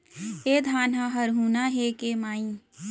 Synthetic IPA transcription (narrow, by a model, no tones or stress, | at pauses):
eːd̪ʱaːnaɦəɾɦunaɦekemaːĩ